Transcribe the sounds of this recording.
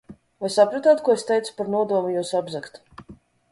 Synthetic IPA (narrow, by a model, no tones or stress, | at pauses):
vajsapɾat̪aːt̪kuɔest̪ɛjt̪su̥paɾnuɔd̪uɔmujuːsabzakt̪